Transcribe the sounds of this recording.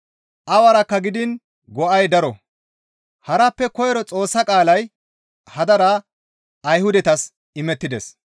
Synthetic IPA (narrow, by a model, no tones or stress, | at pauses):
ʔɐwɐɾɐkːɐɡɪd̪ɪn | ɡɔʔɐjd̪ɐɾɔ̰ | hɐɾɐpːɛkɔjɛɾɔt͡sʼo̞ːsːɐkʼaːlɐj | hɐd̪ɐɾɐː | jhʊd̪ɛt̪ɐs | ɪmɛt̪ːɪd̪ɛs